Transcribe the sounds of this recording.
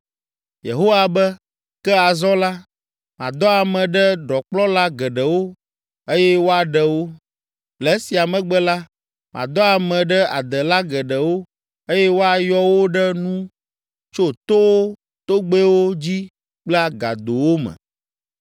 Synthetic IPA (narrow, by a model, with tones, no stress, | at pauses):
jḛ˨ɦo˦wa˨bɛ˦ | kɛ˦a˨zɔ˦la˦ | mã̰˨d̪ɔ˦a˨mɛ̃˨ɖɛ˦ɖɔ˨k͡plɔ˦la˦ɡɛ˨ɖɛ˨wo˦ | e˦jɛ˦wo˦a˨ɖɛ˨wo˦ | lɛ˨˦si˨a˨mɛ̃˨ɡ͡bɛ˦la˦ | mã̰˨d̪ɔ˦a˨mɛ̃˨ɖɛ˦a̰˨d̪ɛ˨la˦ɡɛ˨ɖɛ˨wo˦ | e˦jɛ˦wo˦a˨jɔ˦wo˦ɖɛ˦nũ˦ | t͡ʃo˦t̪o˦wo˦ | t̪o˦ɡ͡be˦wo˦d͡ʑi˦ | k͡plɛ˦a˦ɡa̰˨d̪o˨wo˦mɛ̰̃˨